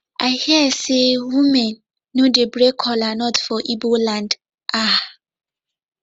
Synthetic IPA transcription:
ahiɛsewũmɛ̃nː | õdebɾekʰɔlanɔtfɔʔibolãnd | ʔa

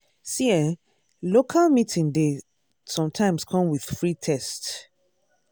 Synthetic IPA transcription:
siɛ | lokʰalmitĩnde | sɔ̃mtʰãɪ̃mskʰɔ̃mwið̥fɹitʰɛst

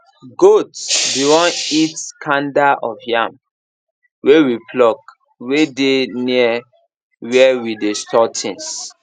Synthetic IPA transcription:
ɡotbiwɔ̃nitkʰãndaʔɔfjãm | wewipʰlɔk | wedeniɛ | wɛwidestʰɔtʰĩns

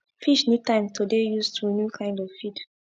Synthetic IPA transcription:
fiʃnutãɪ̃mtʰodejustʰunjukʰãɪ̃ndɔvfid

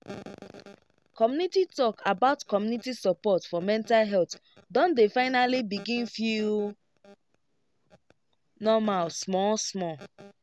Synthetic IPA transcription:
kɔmjunititɔkʰabaʊtkɔmjunitisɔpɔtfɔmɛ̃ntalɦɛlt | dɔ̃ndefãɪnalibiɡĩnfju | nɔmalsmɔsmɔ

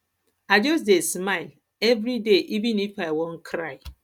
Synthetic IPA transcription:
aɪd͡ʒɔs̬desmaɪl | ɛvɾideʔivĩnifaɪwɔ̃n̩kʰɾaɪ

